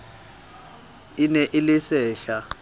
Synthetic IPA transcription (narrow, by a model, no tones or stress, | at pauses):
ɪnɛʔɪlɪsɛːɬa